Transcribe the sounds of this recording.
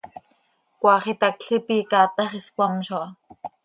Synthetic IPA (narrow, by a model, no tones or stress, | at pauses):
kʷɑːχit̪ɑkɬipiːkɑːt̪ɑχiskʷɑmʃoɑ